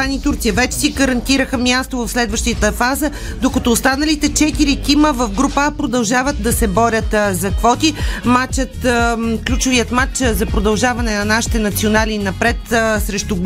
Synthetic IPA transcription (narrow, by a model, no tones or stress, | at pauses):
anit̪uɾt̪sijəvɛt͡ʃɛ̥siɡəɾɐnt̪iɾəxəmjast̪ovɐfslɛd̪vəʃt̪it̪əfazə | d̪okɐt̪ɔːst̪anɐlit̪ɛt͡ʃɛt̪iɾikiməvɐfɡɾupəpɾod̪ɐlˠʒavət̪̚d̪ɐsɛbɔɾʲət̪zɐkvɔt̪imat͡ʃət̪klʲut͡ʃʊviət̪mat͡ʃzɐpɾod̪ɐlˠʒavɐnɛnɐnaʃi̥t̪ɛnɐt̪sionalinɐpɾɛt̪sɾɛʃt̪u